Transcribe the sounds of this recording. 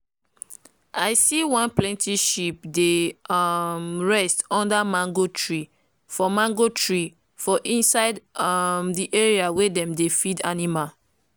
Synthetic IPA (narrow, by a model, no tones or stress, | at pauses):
ʔaɪsiwãnplɛ̃ntʰiʃip̚de | mɹɛstɔ̃ndamãŋɡotɹi | fɔmãŋɡotɹi | fɔʔĩnsaɪdmdiʔeɹiawedɛ̃mdefida̰nimal